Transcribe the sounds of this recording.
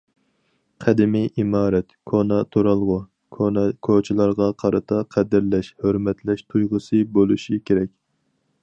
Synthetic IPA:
qʰæd̪ɪmiʔimɑːɾɛt̪kʰonɑt̪ʰoɾɑlˠʁʊ | kʰot͡ʃʰilˠɑɾʁɑqʰɑɾɨt̪ʰɑqʰæd̪ɪɾlɛʃhøɾmɛt̪lɛʃt̪ʰujʁʊsɨbolˠuʃikʲeɾɛk̚ʲ

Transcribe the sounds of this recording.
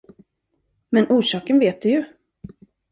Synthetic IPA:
mɛnʔuːʂɑːkənveːt̪̚d̪ɵjɵ

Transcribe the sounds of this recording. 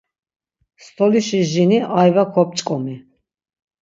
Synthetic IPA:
st̪ʰɔliʃiʒiniʔajvakʰɔp̚ʼt͡ʃʼkʼɔmi

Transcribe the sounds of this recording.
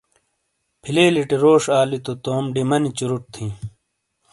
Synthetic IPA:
pʰileːliʈiɾoːʂaːlit̪ot̪oːmɖimɐnit͡ɕuɾuʈ̚t̪ʰĩ

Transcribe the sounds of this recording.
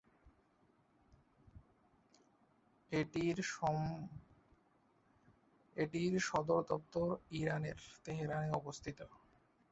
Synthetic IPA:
eʈiɾɔ | eʈiɾʃɔd̪oɾd̪ɔp̚t̪oɾiɾaneɾt̪eɦeɾaneɔbost̪ʰit̪o

